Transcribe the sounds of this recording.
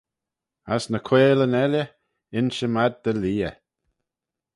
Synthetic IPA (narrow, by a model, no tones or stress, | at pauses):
asnəkʰweːlənɛlʲjə | ɪnʃəmad̪̚d̪əliːə̰